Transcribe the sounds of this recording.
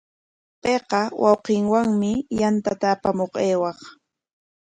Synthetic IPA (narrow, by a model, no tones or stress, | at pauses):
peqɑwɑwqɪŋwaŋmɪjant̪at̪aːpamoqeːwɑχ